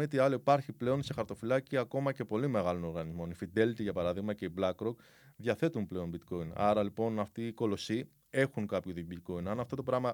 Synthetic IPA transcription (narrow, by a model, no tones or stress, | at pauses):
et̪iɐloipɐɾçiple̞o̞nse̞xɐɾt̪o̞filɐciɐko̞mɐce̞po̞lime̞ɣɐlo̞no̞ɾɣɐnizmo̞nifid̪e̞lt̪iʝɐpɐɾɐðiɣmɐce̞iblɐkɾo̞k | ðʝɐθe̞t̪unple̞o̞nbit̪ko̞inɐ̰ɾɐlipo̞nɐft̪iːko̞lo̞si | e̞xuŋkɐpçuðibit̪ko̞inɐnɐft̪o̞t̪o̞pɾɐmɐ